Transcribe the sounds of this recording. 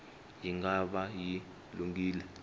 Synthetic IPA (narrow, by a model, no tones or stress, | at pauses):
jiŋɡaɓaji | luŋɡiːlɛ